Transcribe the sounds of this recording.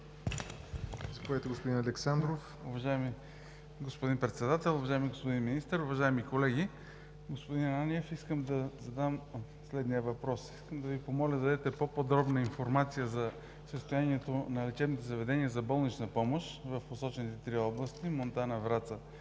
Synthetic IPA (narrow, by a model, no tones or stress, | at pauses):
zɐpovɛt̪ɛɡospod̪inɐlɛksand̪ɾof | ʊvɐʒaɛmi | ɡospod̪inpɾɛt̪sɛd̪at̪ɛlˠʊvɐʒaimiɡospod̪inminist̪əɾʊvɐʒaɛmikolɛɡ̟i | ɡospod̪inaniɛfiskəmd̪ɐzɐd̪am | slɛd̪nijəvɐpɾɔsiskəmd̪ɐvipomɔlʲəzɐd̪ɛt̪ɛpopod̪ɾɔbnəinfoɾmat̪sijəzɐ | səst̪ojaniɛt̪onɐlɛt͡ʃɛvnit̪ɛzɐvɛd̪ɛniəzɐbɔlˠnit͡ʃnəpɔmoʃvəfposɔt͡ʃɛnit̪ɛt̪ɾiɔblˠəst̪imont̪anɐvɾat̪sə